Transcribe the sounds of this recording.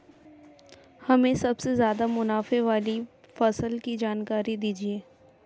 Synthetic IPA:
hɐmẽsɐbsezjaːd̪amʊnaːfeʋaːli | fɐsəlkid͡ʒaːnkaːɾid̪iːd͡ʒieː

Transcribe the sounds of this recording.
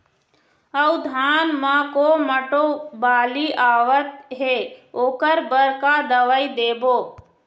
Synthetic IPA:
əwd̪ʱaːnmãːkoməʈobaːliʔaːʋət̪ɦeoːkəɾbəɾkad̪əʋəid̪eːboː

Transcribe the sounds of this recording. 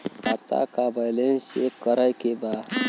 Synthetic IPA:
at̪a̰kabajlensekəɾəjkeba

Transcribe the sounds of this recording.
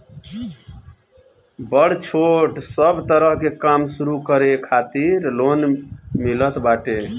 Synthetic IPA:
bəɽ̤t͡ʃʰoʈsəbt̪əɾəɦkekamsuɾukəɾekʰat̪iɾlonmilət̪baʈe

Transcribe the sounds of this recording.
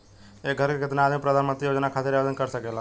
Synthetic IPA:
eɡʱəɾkeket̪naːd̪mipɾəd̪ʱanmənt̪ɾijod͡ʒnakʰat̪eɾad̪ənkəɾsəkela

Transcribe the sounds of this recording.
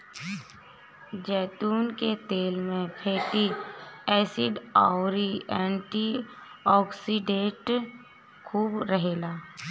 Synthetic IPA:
d͡ʒɛːt̪uːnket̪eːlmẽpʰeːʈiɛːsɪɖaːʊɾiɛ̃ːɳʈiɔːksiɖẽʈ | kʰuːbɾəɦeːlaː

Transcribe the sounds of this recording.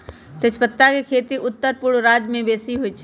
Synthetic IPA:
t̪ɪspət̪ːakekʰeːt̪iʔʊt̪ːəɾpʊɽɾaːd͡ʒmẽbeːsiɦʊit͡ʃʰ

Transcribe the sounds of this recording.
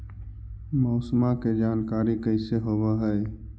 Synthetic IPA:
mɔːsmãked͡ʒaːnkaːɾikəɪseɦoːʋaːɦɛe

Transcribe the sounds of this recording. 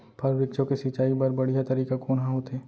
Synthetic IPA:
pɐɾʋɪk̚t͡ʃõkesɪt͡ʃaːibɐɾbɐɽ̤ijat̪ɐɾiːkakoːnɦãɦoːt̪eː

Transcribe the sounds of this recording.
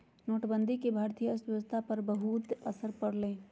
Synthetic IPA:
noːʈbə̃nd̪ʱikibʱaːɾt̪ijəsəst̪ʰapɐɾbəɦut̪ɐsəɾpɐɽlẽː

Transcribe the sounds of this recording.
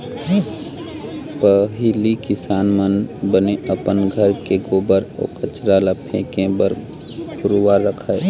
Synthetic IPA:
pəɦɪlikɪsaːnmənbəneʔəpənɡʱəɾkeɡoːbəɾo̰ːkət͡ʃɾalapʰḛ̃kẽbəɾ | ɡʊɾwaɾːəkʰae

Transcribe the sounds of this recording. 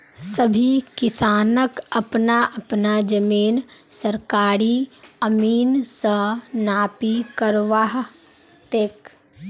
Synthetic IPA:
səbʱikɪsaːnəkəpnaʔəpnad͡ʒəmiːnsəɾkaːɾiəmiːnsə̃naːpikəɾʋaɦ | t̪eːk

